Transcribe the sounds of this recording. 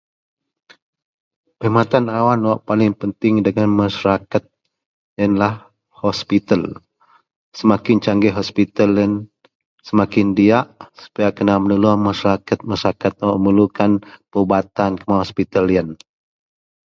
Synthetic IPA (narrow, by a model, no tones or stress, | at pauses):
pəimat̪anawanwaʔpalɪŋpənt̪ɪŋdəŋanmaʃaɾakat̪̚ | jənlah | hɔspit̪əl | səmakɪnt͡ʃaŋɡɛɦɔspit̪ələn | səmakɪndiaʔsu̥pajakənamənuluamaʃaɾakat̪̚maʃaɾakat̪̚ʔməlukanpəubat̪ankəmaɦɔspit̪alijən